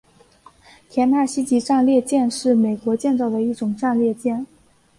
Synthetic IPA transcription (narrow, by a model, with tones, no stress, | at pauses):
t̪ʰjɛ˧˥nt̪ʰa˥˩ɕi˥t͡ɕi˧˥ʈ͡ʂa˥˧nljɛ˥˧t͡ɕjɛ˥˧nʂɻ̩˥˩me˨˩ɪkwɔ˧˥t͡ɕjɛ˥˧nt͡sɑ˥˩ʊd̪ə˩i˥˩ʈ͡ʂʊ˨˩ŋʈ͡ʂa˥˧nljɛ˥˧t͡ɕjɛ˥˩n